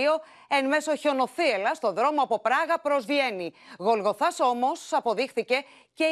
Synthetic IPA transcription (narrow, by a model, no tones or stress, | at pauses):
o̞ | enme̞so̞ço̞no̞θie̞lɐst̪oðɾo̞mo̞ɐpo̞pɾɐɣɐpɾo̞zvʝe̞niɣo̞lɣo̞θɐso̞mo̞sɐpo̞ðixθice̞ | ce̞